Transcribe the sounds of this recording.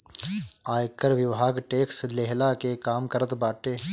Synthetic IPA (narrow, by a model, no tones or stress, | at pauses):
aːjkəɾʋɪʋɦaːɡʈeːksleɦlakekaːmkəɾət̪baːʈeː